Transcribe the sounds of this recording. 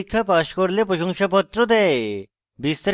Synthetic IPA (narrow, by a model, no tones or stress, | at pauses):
ikʰːapaʃkoɾlepɾoʃoŋʃapɔt̪ːɾod̪ɛe | bist̪ɾ